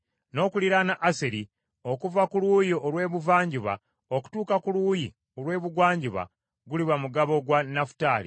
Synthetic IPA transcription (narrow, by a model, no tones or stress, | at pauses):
no̞ːkuliɾanaʔːseɾi | o̞kuvakuluːjiʔolwe̞ːβuvaːɲɟiβa̰ | oku̥tuːkakuluji | olwe̞ːβuɡwaːɲɟiβa̰ | ɡuliβamuɡaβo̞ɡwanafu̥taːlḭ